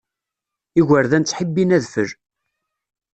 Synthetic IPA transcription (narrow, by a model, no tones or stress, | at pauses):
iɣəɾðænt͡sːħəbːinæðfəɾ